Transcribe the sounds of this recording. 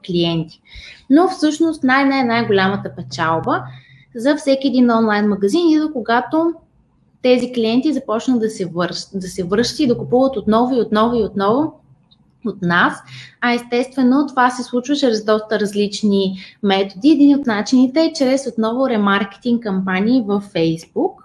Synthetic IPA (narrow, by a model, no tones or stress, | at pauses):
klʲiɛnt̪i̥nofsɤʃnost̪najnaɛnajɡolʲamət̪əpɛt͡ʃalˠbə | zɐfsɛkʲiɛd̪inɔnlˠajnmɐɡɐzinizokoɡat̪o | t̪ɛzikliɛnt̪izɐpɔt͡ʃnəd̪ɐsɛvɤɾʃd̪ɐsɛvɤɾʃt̪ə̥t̪id̪ɐkupuvət̪ot̪nɔvʊiot̪nɔvʊiot̪nɔvʊ | ot̪nasɐɛst̪ɛst̪vɛnot̪ovasɛslˠut͡ʃvət͡ʃɾɛzd̪ɔst̪əɾɐzlit͡ʃnimɛt̪od̪iɛd̪iniot̪nat͡ʃinit̪ɛːt͡ʃɾɛsot̪nɔvʊɾɛmaɾkɛ̥t̪iŋkkːɐmpanʲiːvəfːɛjzbuk